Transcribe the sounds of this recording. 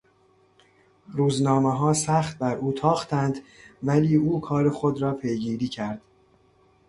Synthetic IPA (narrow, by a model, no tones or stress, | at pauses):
ɾuːznɒːmeɦɒːsæxt̪̚bæɾʔuːt̪ʰɒːxt̪ænd̪væliːuːkʰɒːɾe̞xo̞d̪ɾɒːpʰe̞jɡiːɾiːcʰæɾd̪̥